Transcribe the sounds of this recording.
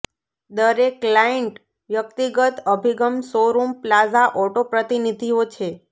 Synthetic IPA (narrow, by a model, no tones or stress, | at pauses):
d̪əɾekːlaeɳʈ | ʋjəkt̪iɡət̪əbʱiɡəmsoɾumplazaʔɔʈopɾət̪inid̪ʱiot͡ʃʰe